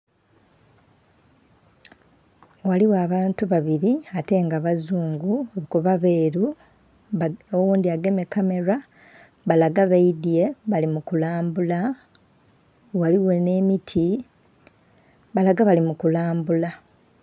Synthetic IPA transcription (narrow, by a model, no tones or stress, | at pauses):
waliwaβaːntuβaβiɾiate̞ŋɡaβazuːŋɡuoβukuβaβe̞ːɾu | owuːndiaɡe̞mekame̞ɾa | βalaɡaβaidije̞βalimukulaːmbula | waliwe̞ne̞ːmitʰi | βalaɡaβalimukulaːmbula